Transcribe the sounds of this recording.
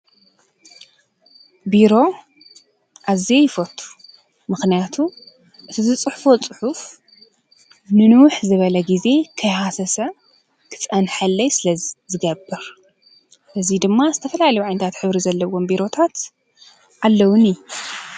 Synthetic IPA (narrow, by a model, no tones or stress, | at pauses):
biɾo̞ | ʔaziejɪfot̪ʰʼːu̥ | mɨxnijat̪ʰu | ʔɨt̪ʰizɨt͡sʼɨħfo̞t͡sʼɨħuf | nɨnɨwʊħzɨβɐlɐɡize̞kʰɐjhasɐsɐ | kʰɨ̥t͡sʼɐnħɐlːɐjsɨlɐzɨɡɐbːɨɾ | ʔɨzid̪ɨmːazɨt̪ʰɐfɐlalɐjuʕajnt̪ʰat̪ħɨβɾizɐlːɐwo̞mbiɾo̞t̪ʰat̪ | ʔalːɐwʊnij